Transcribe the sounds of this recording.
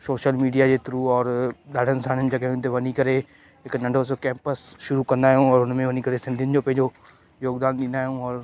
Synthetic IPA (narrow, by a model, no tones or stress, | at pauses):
soːʃəlmiːɖijad͡ʑeːt̪ɾuɔːɾɗaːɖʱənɪ̆sãnɪnɪ̆d͡ʑɐɠaɦjũt̪̬ɐʋɐnikɐɾe | ɦɪknɐ̃ɳɖʱosokɛ̃ːmpəsʃʊɾukɐ̃nd̪aːɦijũɔːɾʊnmẽʋɐnikɐɾesɪ̃nd̪iɪənɪ̆d͡ʑoːpɐ̃ɦɪ̃ɲd͡ʑo | joːɡd̪aːnɗĩːnd̪aːɦijũɔːɾ